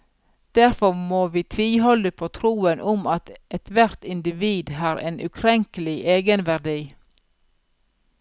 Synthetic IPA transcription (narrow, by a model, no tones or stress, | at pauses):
d̪̥æɾfɔmoːʋiːt̪ʰʋɪlhɔləpʰoːt̪ʰɾuːənʔʊmɑt̪ɛt̪ʰʋæɾt̪ɪnd̪ɪʋiːd̪hɑːɾḛːnʔʉ̰kʰɾɛŋkəl̩ɪʔeːɡənʋæʁɖiː